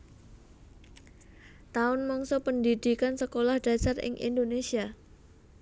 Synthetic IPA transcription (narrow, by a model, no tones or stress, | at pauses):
t̪aʊnmɔŋsopəndidikansəkolahd̥a̤sarɪ̰ŋʔḭndonesia